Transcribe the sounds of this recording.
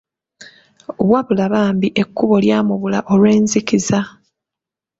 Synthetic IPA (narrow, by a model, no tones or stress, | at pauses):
βwaβulaβaːmbiʔe̞kːuβo̞ljaːmuβulaʔo̞lwe̞ːnzikiza